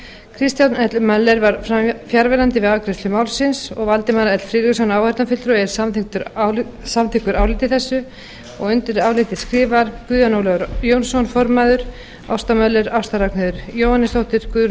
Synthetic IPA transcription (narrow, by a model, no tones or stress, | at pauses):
kʰɾɪst̪janɛt̪lmaðlːɛɾvaɾ̥fɾamfjaɾvɛlant̪ɪvɪðavkɾɪst̪ʏmaːwlsɪnsɔ̰ɣvalt̪ɪmaðlaɛt̪l̥fɾiːɾɪksɔnaːwhɛɾt̪afɪt̪ɾɔɛɾ̥saθt̪ʏɾsamt̪ʰɪkʏɾaːwlɪt̪ɪθɛsːʏ | ɔ̰ɣʏnt̪ɪɾaːwlɪt̪ɪ̥skɾɪːvaɾkʏːðanowlɛɣʏɾjownsɔnfɔɾmaðʏɾ̥ | a̰wst̪amœlːɛɾawst̪aɾaknɪðʏɾjoːwhanːɪst̪owht̪ɪɾ̥kʏð